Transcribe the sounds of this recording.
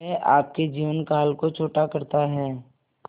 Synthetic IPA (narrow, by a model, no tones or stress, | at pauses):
ɛʔaːp̚ked͡ʒiːʋənkaːlkot͡ʃʰoːʈakɐɾt̪aɦɛː